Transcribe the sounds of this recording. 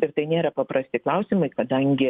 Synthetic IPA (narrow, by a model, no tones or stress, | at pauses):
ɪɾt̪ɐɪnʲeːɾɐpɐpɾɐsʲt̪ʲɪklˠɐʊsʲɪmɐɪkɐd̪ɐŋʲɡʲɪ